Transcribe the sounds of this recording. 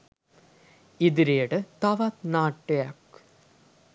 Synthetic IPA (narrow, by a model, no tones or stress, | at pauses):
id̪iɾejəʈət̪aʋat̪naːʈːejak